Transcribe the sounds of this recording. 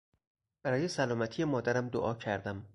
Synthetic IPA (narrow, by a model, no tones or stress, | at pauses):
b̥æɾɒːje̞sælɒːmæt̪ʰijemɒːd̪æɾæmd̪o̰ʔɒːcʰæɾd̪æm